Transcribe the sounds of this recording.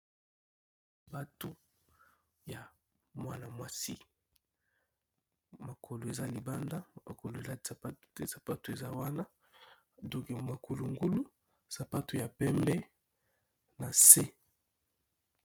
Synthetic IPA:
ba˦to˦ | ja˨ | mwa˦na˨mwa˨si˦ | ma˨kʰo˨lo˨e˨za˦li˨ba˦nda˦ma̰˨ko˨lo˨e˨za˦sa˨pa˦tte˦sa˨pa˦tu˨e˨za˦wa˦na˦ | dɔ˦kma˨ko˨lo˨ŋɡu˦lu˦ | sa˨pa˦tu˨ja˨pɛ˦mbɛ˦ | na˨se˦

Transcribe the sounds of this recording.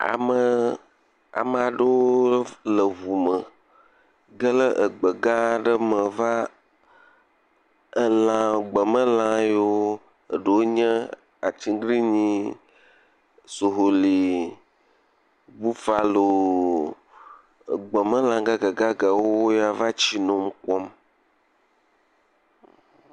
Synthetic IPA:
a̰˨mə˨ | a̰˨mə˨a˨ɖə˦wo˦lə˨βu˨mə˨ | ɡə˦lə˦ʔə˨ɡ͡bə˨ɡã˦ɖə˦mə̃˨va˦ | ə˨lã˨ɡ͡bə˨mə̃˦lã˨jo˦ | ə˨ɖə˨wo˦ɲə̃˦ | a˨t͡ɕi˦ɡɾi˦ɲĩ˦ | so˨ɦo˨li˨ | bu˦fa˨lo˨ | ɡ͡bə˨mə̃˦lã˨ɡa˦ɡa˨ɡa˦ɡa˨wo˦wo˦ja˨va˦t͡ɕi˦nɔ̃˨m˦kɔ˦m

